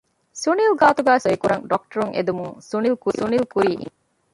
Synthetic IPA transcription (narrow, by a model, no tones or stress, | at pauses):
sunilɡaːt̪uɡæːsoikuɾɐŋɖɔk̚ʈɐɾuŋʔḛd̪umuŋsunilkusunilkuɾiːʔ